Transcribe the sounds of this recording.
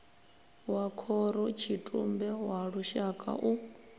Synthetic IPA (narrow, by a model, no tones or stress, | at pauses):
wakʰɔɾɔt͡ʃʰitʼumbɛwaɺuʃakʼa̰ʔu